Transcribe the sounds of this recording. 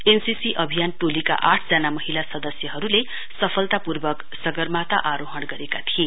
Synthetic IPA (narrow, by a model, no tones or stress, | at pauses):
ensisiʔʌbʱijanʈolika̰ʔaʈʰd͡zanamʌɦilasʌd̪ʌsjʌɦʌɾule | sʌpʰʌlt̪apurbʌk | sʌɡʌrmat̪ʌʔaɾoɦʌnɡʌɾekat̪ʰie